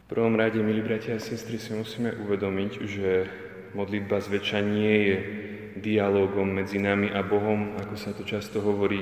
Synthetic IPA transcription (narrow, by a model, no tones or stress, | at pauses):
fpr̩ʋɔmɾaɟɛmilibɾacaasɛst̪ɾisimusiːmɛʔuʋɛd̪ɔmiɟʒɛ | mɔd̪lid̪̚bazʋɛt͡ʃaɲɪɛjɛ | d̪ialɔːɡɔmːɛd͡zinamiʔabɔɦɔmakɔsat̪ɔt͡ʃast̪ɔɦɔʋɔɾiː